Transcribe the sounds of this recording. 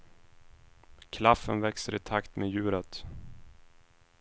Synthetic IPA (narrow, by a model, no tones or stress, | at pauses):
kʰlafːənvɛksəɾɪt̪ʰakt̪meːjʉ̟ːɾət̪